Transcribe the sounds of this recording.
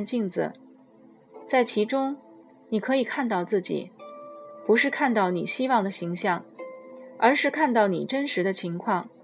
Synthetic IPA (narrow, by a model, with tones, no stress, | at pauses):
nt͡ɕi˥˩ŋd͡zɹ̩̰˨˩ | t͡sa˥˩ɪt͡ɕʰi˧˥ʈ͡ʂʊ˥ŋ | ni˨˩kʰɤ˧˥i˨˩kʰa˥˧nt̪ɑ˥˧ʊt͡sɹ̩˥˩t͡ɕḭ˨˩˦ | pu˧˥ʂɻ̩˥˧kʰa˥˧nt̪ɑ˥˩ʊni˨˩ɕi˥wɑ˥˩ŋd̪ə˩ɕi˧˥ŋɕjɑ˥˩ŋ | ə˞˧˥ʂɻ̩˥˧kʰa˥˧nt̪ɑ˥˩ʊnḭ˨˩ʈ͡ʂə˥nʂɻ̩˧˥d̪ə˧t͡ɕʰi˧˥ŋkʰwɑ˥˩ŋ